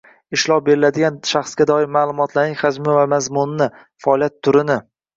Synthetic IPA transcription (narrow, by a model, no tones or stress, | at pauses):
ɪʃlˠɒp̚be̞ɾɪlad̪ɪɡʲanʃaχsɡʲad̪ɒɪmaːlˠʊmɒt̪ʰlaɾnɪŋʲχad͡ʒmɪvamazmʊnːɪ | faɒlˠijat̪ʰːʊɾɪnɪ